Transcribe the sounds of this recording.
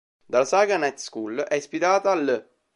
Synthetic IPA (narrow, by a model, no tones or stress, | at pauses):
d̪alasaːɡanɛt̪skulɛispiɾaːt̪aːl